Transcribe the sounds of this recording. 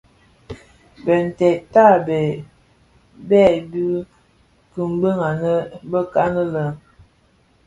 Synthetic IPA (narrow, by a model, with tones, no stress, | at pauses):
bə˨n̩˨tɛ˨ʔta˦˨bɛ˨ | bɛ˦˨bʉ˦ | kə˨m˦bə˦ŋa˨nə˦bə˦ka˦nə˦lə˨